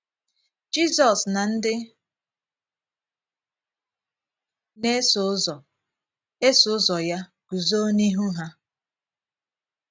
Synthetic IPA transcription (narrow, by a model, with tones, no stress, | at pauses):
d͡ʒi˦sɔ˨sna˨n̩˦dɪ˦ | ne˦sɔ˨ | e˦sʊ˨˦zɔ˨ja˦ | ɡ̥u˨zo˦ni˦ɦu˦ɦa˦